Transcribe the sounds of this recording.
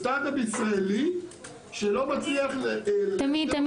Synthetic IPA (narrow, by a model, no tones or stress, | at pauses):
t̪ad̪abisʁaeli | ʃelo̞mat͡sliaχleamit̪am